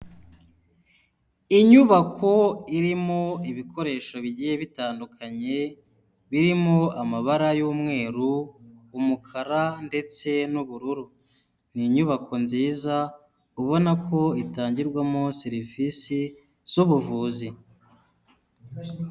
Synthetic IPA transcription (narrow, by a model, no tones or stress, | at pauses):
iɲuβakʰo̞iɾimo̞iβikʰo̞ɾe̞ːʃo̞βiɟiːje̞βitaːndukʰaɲe̞ | βiɾimo̞amaβaɾajuːmŋe̞ːɾuː | mukʰaɾande̞t͡se̞nuβuɾuɾu | niɲuβakʰo̞nziːza | uβo̞nakʰo̞itaːɲɟiɾɡwamo̞seɾivisi | z̥uβuvuːzi